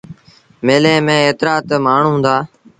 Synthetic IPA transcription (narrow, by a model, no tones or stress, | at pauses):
meːlẽːmẽːeːt̪ɾaːt̪maːɳ̤ũɦʊ̃nd̪aː